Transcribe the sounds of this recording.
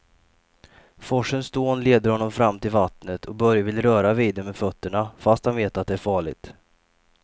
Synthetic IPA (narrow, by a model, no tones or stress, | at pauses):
fɔʂənsd̪oːnleːd̪əɾhɔnːɔmfɾamːt̪ʰɪlvat̪nət̪ʰɔk̚bœɾjavɪlːɾœːɾaviːd̪əɾmɛfœt̪ːəɳafast̪hanveːt̪at̪̚d̪ɛæɾfɑːɭɪ̰ɡt̪